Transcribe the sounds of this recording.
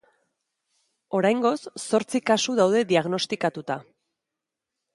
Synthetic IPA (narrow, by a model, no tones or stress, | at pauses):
o̞ɾajŋɡo̞sːo̞ɾt͡sikasuðawðe̞ðiaɣno̞st̪ikat̪ut̪a